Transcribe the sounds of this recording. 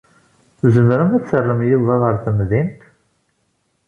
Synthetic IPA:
θzəmɾæmæt͡sːərːəmjɪðˤɑðəɾˤθəmðint̪

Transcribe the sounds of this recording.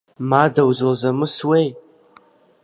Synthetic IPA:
maːdɐwzozɐmɨswej

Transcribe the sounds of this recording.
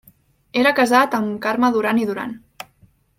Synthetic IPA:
eɾəkəzat̪əmkarməðuɾaniðuɾa̰n

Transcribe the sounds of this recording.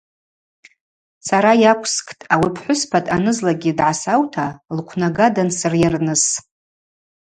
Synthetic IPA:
saɾajakʷʼʰskʰʼtʼawipʰħʷʊspʰatʼanɨzlaɡʲidʕasawtʰalqʷʰnaɡadansɨrjarnɨs

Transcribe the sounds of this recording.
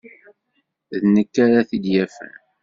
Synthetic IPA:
ðnəkːaɾaθid̪jæfæ̰n

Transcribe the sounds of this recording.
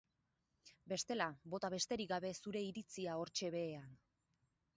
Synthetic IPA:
be̞st̪e̞labo̞t̪aβe̞st̪e̞ɾiɡaβe̞suɾe̞iɾit͡siao̞ɾt͡ʃe̞βe̞ːan

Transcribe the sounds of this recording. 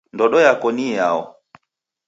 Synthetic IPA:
ndɔɗɔjakɔnijaɔ

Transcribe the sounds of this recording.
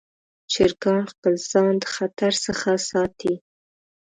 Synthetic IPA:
t͡ʃɪɾɡɑnxpəlz̥ɑnd̪əxat̪aɾsəxasɑt̪i

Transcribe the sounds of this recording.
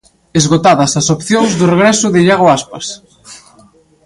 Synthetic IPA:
ezɣot̪aðɐsɐsopθjõŋzðʊreɣɾɛsʊðɪʎaɣoaspɐs

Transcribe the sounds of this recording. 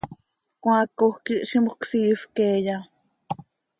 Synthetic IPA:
kʷãkohkiʔʃimbuksiːfkeːja

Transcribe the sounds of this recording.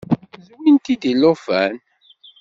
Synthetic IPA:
zumint̪id̪ilofæ̰n

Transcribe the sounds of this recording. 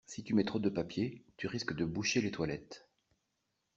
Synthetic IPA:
sit̪ymɛt̪χod̪əpapjet̪yʁiskd̪əbuʃelet̪walɛt̪

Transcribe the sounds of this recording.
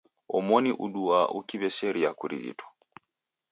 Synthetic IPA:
ɔmɔniʔuɗuaʔṵkiβɛsɛɾiakuɾḭɣḭtʰɔ̥

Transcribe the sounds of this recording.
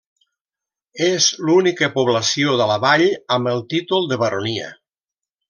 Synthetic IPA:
ezlunikəpoβlasioðəlaβaʎəmbəlˠt̪it̪ulˠd̪əβaɾʔoniə̰

